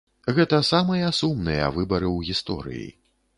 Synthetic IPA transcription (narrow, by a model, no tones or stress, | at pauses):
ɣɛt̪ɐsamɨjɐsumnɨjɐ̰vɨbɐɾɨwɣʲist̪ɔ̰ɾɨ̰jḭ